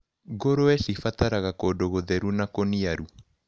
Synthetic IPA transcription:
ɡoɾoɛsifataɾaɣakodoɣoðɛɾunakoniaɾu

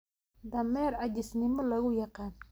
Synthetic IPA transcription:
d̪amɛɾad͡ʒisniməlaɣujakan

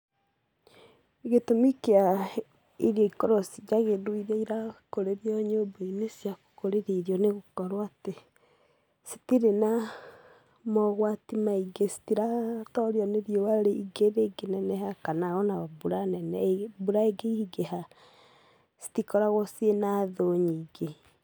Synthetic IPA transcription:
iɣetomikea | iɾjɔikɔɾɔsid͡ʒaɣedoiðeiɾakoɾeɾjɔɲobeinesjakoɾeɾeiɾjɔneɣokɔɾwate | si̥tiɾena | mɔɣwatimaiɡesi̥tiɾatɔɾjɔneɾjowaɾeiɡeɾeɡenɛnɛhakanaɣɔnabuɾanɛnɛbuɾaeɡeiiɡeɦa | si̥tikɔɾaɣɔsienaðoɲiːɡe

